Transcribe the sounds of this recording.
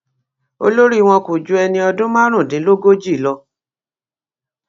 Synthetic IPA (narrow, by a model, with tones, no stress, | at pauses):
o̰˧lo˦ɾi˦˧w̃ɔ̃˧ku˨d͡ʒu˧ɛ˧nĩ˧ɔ˧dũ˦mã˦ɾ̃ũ˦˨dĩ˨˦lo˦ɡo˦d͡ʒi˦˨lɔ˧